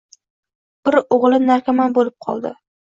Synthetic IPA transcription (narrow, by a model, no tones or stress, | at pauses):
b̥ɪɾoʁlˠɪnaɾkʲamanbolɪp̚qʰɒ̰lˠd̪ɪ